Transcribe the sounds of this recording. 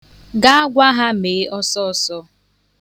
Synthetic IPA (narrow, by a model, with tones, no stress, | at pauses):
ɡa˦a˦ɡʷa˦ɦa˦meː˨˦ʔɔ˦sɔ˦˨sɔ˦